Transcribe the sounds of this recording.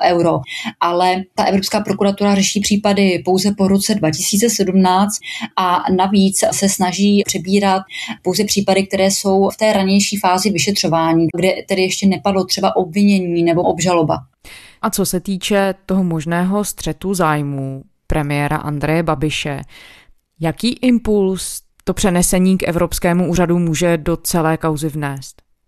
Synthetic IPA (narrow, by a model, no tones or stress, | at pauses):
ʔɛwɾoʔalɛt̪aʔɛvɾo̞pskaːpɾokuɾat̪uɾarɛʃiːpr̥iːpadɪpowzɛpo̞ɾo̞t͡sɛdvacɪsiːt͡sɛsɛdumnaːt͡st̪ʔanaviːt͡ssɛsnaʒiːpr̥ɛbiːɾat̪̚po̞wzɛpr̥iːpadɪk̚t̪ɛɾɛːso̞wft̪ɛːɾaɲɛjʃiːfaːzɪvɪʃɛt̪r̝̥o̞vaːɲiːɡdɛt̪ɛdɪjɛʃcɛnɛpadlo̞t̪r̝̥ɛbaʔobvɪɲɛɲiːnɛbo̞ʔobʒalo̞ba̰ | ʔat͡sosɛt̪iːt͡ʃɛt̪o̞ɦomo̞ʒnɛːɦo̞st̪r̥ɛt̪uzaːjmuː | pɾʔɛmɪjɛːɾa̰ʔa̰nd̪ɾɛjɛbabɪʃɛ̰ | jakiːʔɪmpuls | t̪o̞pr̥ɛnɛsɛɲiːkʔɛ̰vɾo̞pskɛːmuʔuːradumuːʒɛdo̞t͡sɛlɛːkawzɪvnɛːst̪